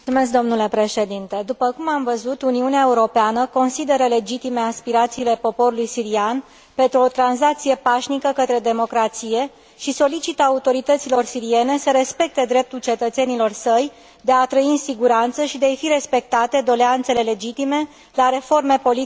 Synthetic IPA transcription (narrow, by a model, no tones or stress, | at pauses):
umesk̚d̪o̞mnule̞pɾe̞ʃe̞d̪int̪e̞d̪upəkumamvəzut̪uniuneae̞uɾo̞peanəko̞nsid̪e̞ɾəle̞d͡ʒit̪ime̞aspiɾat̪siːle̞po̞po̞ɾulujsiɾian | pe̞nt̪ɾuo̞t̪ɾanzak̚t̪sije̞paʃnikəkət̪ɾe̞d̪e̞mo̞kɾat̪sije̞ | ʃiso̞lit͡ʃit̪əaut̪o̞ɾit̪ət̪silo̞rsiɾie̞ne̞səɾe̞spe̞k̚t̪e̞d̪ɾe̞p̚t̪ult͡ʃe̞t̪ət̪se̞nilo̞rsəj | d̪e̞at̪ɾəiɨnsiɡuɾant̪səʃid̪eajfiɾe̞spe̞k̚t̪at̪e̞d̪o̞leant̪se̞le̞le̞d͡ʒit̪ime̞ | laɾe̞fo̞rme̞po̞li